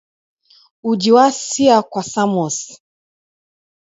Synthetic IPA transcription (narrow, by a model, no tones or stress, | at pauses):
ud͡ʒiwasiakwasamɔs